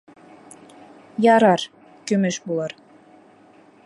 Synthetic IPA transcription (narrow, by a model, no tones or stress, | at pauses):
jɑɾɑɾ | kymɘʃbulɑɾ